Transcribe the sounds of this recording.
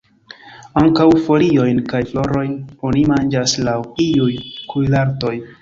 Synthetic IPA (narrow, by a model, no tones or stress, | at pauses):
aŋkawfo̞lio̞jnkajflo̞ɾo̞jno̞nimand͡ʒaslawiujkujlaɾto̞j